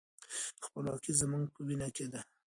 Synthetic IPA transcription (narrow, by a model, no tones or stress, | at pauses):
xpəlwɑkizəmuŋɡ̚pəwinaked̪a